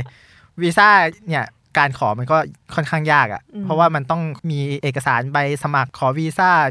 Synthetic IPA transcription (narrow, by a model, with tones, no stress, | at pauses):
wiː˧saː˥˩ni˥˩ɐ | kaː˧nkʰɔː˩˦ma˧nkɔː˥˩kʰɔ˥˩nkʰaː˥˩ŋjaː˥˩k̚ʔa̰˨˩ʔpʰɾɔ˦˥waː˥˩ma˧nt̪ɔ˥˩ŋmiː˧ʔeː˨˩kːa˧saː˩˦nba˧jsa˧ma˨˩kʰːɔː˩˦wiː˧saː˥˩